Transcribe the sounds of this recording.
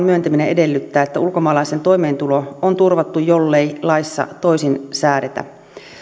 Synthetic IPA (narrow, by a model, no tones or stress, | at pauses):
nmyønt̪æmineʔedelːyt̪ːæːet̪ːæulkomɑːlɑisent̪o̞imeːnt̪uloont̪urʋɑt̪ːujjolːeilɑisːɑ̰t̪oisinsæːɾet̪æ̰